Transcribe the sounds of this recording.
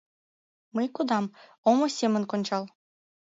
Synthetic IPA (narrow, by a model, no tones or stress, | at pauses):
mɤjkud̪ɑm | omɤ̆sʲemʲɘ̆nkŏnʲt͡ɕɑlˠ